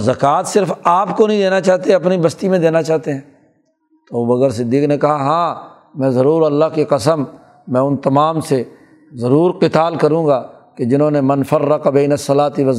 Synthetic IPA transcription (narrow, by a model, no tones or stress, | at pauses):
zɐkaːt̪sɪɾfaːpkonɐɦĩd̪eːnat͡ʃaːt̪eɐpnibɐst̪imẽd̪eːnat͡ʃaːɦt̪eɦɛ̃ː | t̪ooɐɡəɾs̬ɪd̪ːiːknekɐɦaɦãː | mɛ̃ːzɐɾuːɾɐlːaɦkeqɐsəmː | ɛ̃ːʊnt̪ɐmaːmse | zɐɾuːɾqɪt̪aːlkɐɾũːɡaːked͡ʒɪnɦõːnemɐnfɐrːəqbeːnɐsːɐlaːt̪iʋɐ